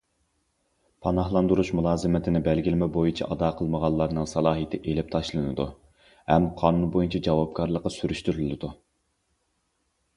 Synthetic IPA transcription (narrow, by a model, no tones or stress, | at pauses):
pʰɑnɑhlˠɑnd̪uɾuʃmulˠɑːzɨmɪt̪ʰɪnɪbælɡʲilɪmɛbojit͡ʃʰɛʔɑd̪ɑqʰəlˠməʁɑlˠːɑɾnɨŋsɑlˠɑːɦit̪ʰɪʔelɪp̚t̪ʰɑʃlˠɨnɨd̪u | hɛmqʰɑːnunbojint͡ʃʰɛd͡ʒɑwɑp̚kʰɑɾlˠəqːɑsyɾyʃt̪yɾylɪd̪u